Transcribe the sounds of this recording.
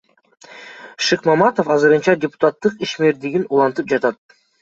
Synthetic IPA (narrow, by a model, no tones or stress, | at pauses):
ʃɨqmɑmat̪ofɑzɯɾɯnt͡ʃɑdʲɪpʊ̥t̪at̪ːɯqiʃme̞ɾd̪iɡinulˠɑnt̪ɯp̚d͡ʒɑt̪ɑt̪̚